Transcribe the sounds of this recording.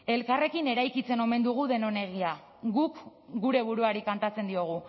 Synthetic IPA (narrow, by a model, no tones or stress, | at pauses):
e̞lkare̞kine̞ɾajkit͡se̞no̞me̞nd̪uɣ̞uðe̞no̞ne̞ɣia | ɣukɡuɾe̞βuɾuaɾikant̪at͡se̞nd̪io̞ɣ̞u